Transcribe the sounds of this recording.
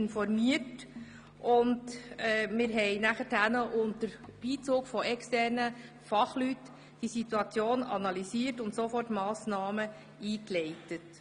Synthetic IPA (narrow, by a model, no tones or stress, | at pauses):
nfɔɾmiət | ʔʊndɛmɪːɾɦɛɪnæχətænəʔʊntəɾb̥iːt͡soːkfɔʔɛkstɛrnə | fɑχlyt | d̥isituɑt͡sjoːnɑ̰nɑlisiːrtʊntsofɔrtmɑːsnɑːmə | iːklɛɪtət